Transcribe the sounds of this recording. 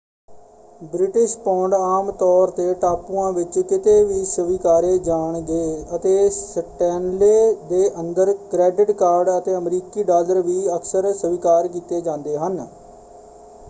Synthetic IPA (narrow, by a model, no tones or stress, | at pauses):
bɾɪʈɪʃpɔ̃ːɳɖaːmt̪ɔːɾt̪eːʈaːpuːãːʋɪt͡ʃkɪt̪eːʋiːsəʋiːkaːɾeːd͡ʒaːɳɡeːət̪eːsəʈɛːnleːd̪eːʔənd̪əɾkɾɛːɖɪʈkaːɾɖət̪eːəmɾiːkiːɖaːləɾʋiːəksəɾsəʋiːkaːɾk̬iːt̪eːd͡ʒãːnd̪eːɦən